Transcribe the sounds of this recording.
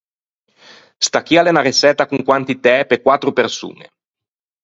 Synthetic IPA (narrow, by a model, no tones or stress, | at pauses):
st̪ak̟jalenaresɛt̪ːakuŋkwant̪it̪ɛpekwat̪ːɾopersṵːnḛ